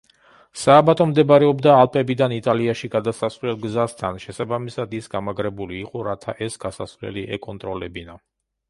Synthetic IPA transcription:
saːbat̪ʼɔmd̪ɛbɾɛɔbd̪aːlˠpʼɛbid̪anit̪ʼaliaʃiɡad̪asasvlɛlˠɡzast̪ʰanʃɛsabamisad̪isɡamaɡɾɛbuliːqʼɔɾat̪ʰa̰ʔɛsɡasasvlɛ̰liʔɛkʼɔnt̪ʼɾɔlɛbina

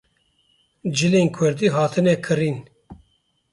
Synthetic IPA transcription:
d͡ʒɨleːnkʰʊɾd̪iːɦɑːt̪ʰɨnɛkʰɨɾiːn

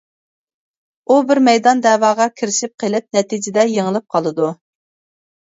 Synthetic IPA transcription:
ubɪɾmɛjd̪ɑnd̪ɛwɑːʁɑkʲʰiɾɪʃɪp̚qʰelɪp̚nɛt̪ʰid͡ʒɪd̪ɛjeŋəlˠɨp̚qʰɑlˠɨd̪u

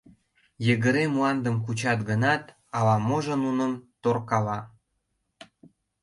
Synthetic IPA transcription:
jəɣə̆ɾemuɑnd̪əmkut͡ɕɑt̪ɡənɑt̪ | ɑlɑmoʒənunəmt̪orkɑlɑ

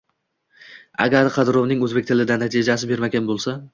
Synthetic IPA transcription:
a̰ɡʲaɾqʰɑd̪ɪɾovnɪŋɵzbekʲt̪ʰɪlɪd̪anat̪ʰid͡ʒas̬ɪbe̞ɾmaɡʲanbolˠsa

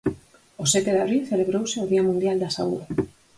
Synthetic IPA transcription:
osɛt̪eðaβɾilθeleβɾowsɪʊðiamũnd̪jald̪asauðe

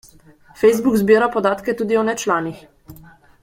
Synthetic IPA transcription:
fɛjzbukzbiːɾapɔd̪aːt̪kɛt̪uːd̪iɔnɛt͡ʃlaːnix

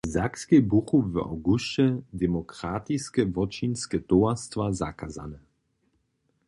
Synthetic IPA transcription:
zakskɛbuxuva̰wɡuʃɛd̪ɛmɔkɾaːt̪iskɛvɔt͡ʃinskɛt̪oast̪vaza̰kaza̰nɛ

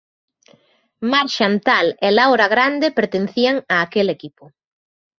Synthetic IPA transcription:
maɾʃant̪alelawɾaɣɾand̪epeɾt̪en̟θiaŋaːkelekipʊ

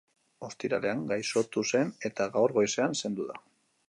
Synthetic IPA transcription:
o̞st̪iɾa̰le̞aŋɡajso̞t̪use̞ne̞t̪aɣawɾɣo̞jse̞anse̞nd̪uða

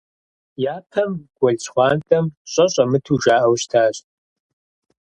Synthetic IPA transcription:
jaːpʰɐmɡ̥ʷɔɮt͡ɕʰʼχʷɑːntʼɐmɕʼɐɕʼɐmɨtʰuʒaːʔɐwɕtʰaːɕʼ

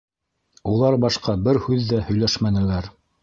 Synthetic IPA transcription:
ulˠɑɾbɑʃqɑbɘɾhʉðːæhɵ̆jlæʃmænɘ̆læɾ

